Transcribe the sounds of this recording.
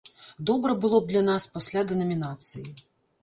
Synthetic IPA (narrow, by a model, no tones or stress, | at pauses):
d̪ɔbɾɐbɨlˠɔb̚d̪lʲɐnaspasʲlʲad̪ɛnɐmʲinat̪sɨji